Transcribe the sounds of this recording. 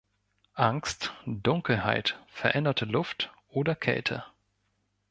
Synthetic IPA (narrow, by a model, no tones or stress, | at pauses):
ʔaŋstd̥ʊŋkl̩ha̰ɪtfɛɐʔɛndɐtʰəlʊftʔoːdɐkʰɛ̰ltʰə̰